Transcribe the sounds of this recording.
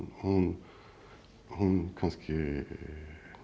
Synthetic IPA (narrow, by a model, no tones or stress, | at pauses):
hn | hʊnɡʰɑnskʰə